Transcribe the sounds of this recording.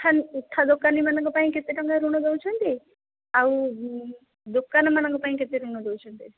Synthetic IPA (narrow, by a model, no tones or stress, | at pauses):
ʈʰːanuʈʰːad̪okanimanãŋkɔpaĩket̪iʈɔŋɡaɾuɽ̃ɔd̪ewt͡ʃʰɔnt̪i | aw | d̪okːanmanaŋkɔpaĩket̪iɾuɽ̃ɔd̪ewt͡ʃʰɔnt̪i